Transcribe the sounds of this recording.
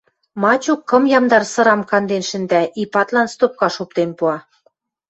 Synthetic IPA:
mɑt͡ɕukːɤ̆mjɑmd̪ɑrsɤ̆ɾɑmkɑnd̪enʃɘ̆nd̪æʔipɑt̪lɑnst̪op̚kɑʃupt̪enpuɑ

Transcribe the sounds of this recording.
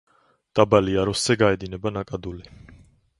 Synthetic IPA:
d̪̥abaliaɾɔsz̥ɛɡaɛd̪inɛbanakʼad̪uli

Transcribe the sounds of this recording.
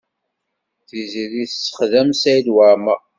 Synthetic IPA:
θiziliθsːə̥χðæmsæjd̪waɾma

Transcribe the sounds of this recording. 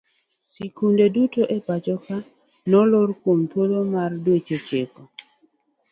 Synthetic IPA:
sikundedutoʔepat͡ʃɔka | nɔlorkwomt̪wolomardwet͡ʃet͡ʃekɔ

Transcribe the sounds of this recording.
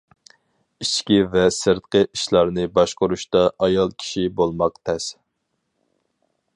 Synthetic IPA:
it͡ʃkʲivɛsɨɾt̪qəʔiʃlˠɑɾnɨbɑʃqʊɾuʃt̪ɑʔɑjɑlˠkʲʰi̥ʃibolˠmɑq̚t̪ʰɛs

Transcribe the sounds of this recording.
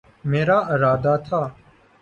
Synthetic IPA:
meːɾaːʔɪɾaːd̪aːt̪ʰaː

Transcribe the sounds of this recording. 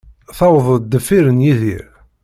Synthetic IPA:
θɑwəðˤəd̪ːəfːiɾənjiðḭɾ

